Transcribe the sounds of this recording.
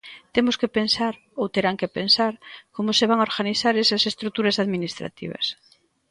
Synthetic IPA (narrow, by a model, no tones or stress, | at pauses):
t̪emʊskepensaɾ | owt̪eɾaŋkepensaɾkomʊseβ̞aŋaoɾɣaniθaɾesɐsest̪ɾut̪uɾɐsaðminist̪ɾa̰t̪ḭβɐ̰s